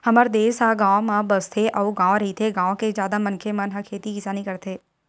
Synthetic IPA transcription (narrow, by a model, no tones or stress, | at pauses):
hɐməɾd̪eːsɦaɡãːwmãbɐst̪ʰeʔɐuɡãːʋ̃ɾɐɦit̪ʰeɡãːw̃kezjaːd̪amɐnkʰemɐnɦakʰeːt̪ikɪsaːnĩkɐɾt̪ʰeː